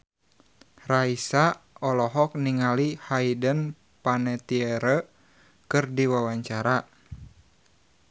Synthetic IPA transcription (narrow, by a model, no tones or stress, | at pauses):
raisaɔlɔɦɔk̚niŋalihaidən | panɛt̪iɛɾə | kɨrdiwawaɲt͡ʃaɾa